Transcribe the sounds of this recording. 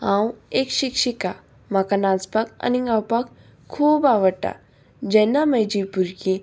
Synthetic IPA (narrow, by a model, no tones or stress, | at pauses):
ãwekɕikʃika | makanad͡zpaka̰niɡawpak | kʰːuːbaʋəʈa̰ | d͡ʑɛnaməjd͡ʑipuɾki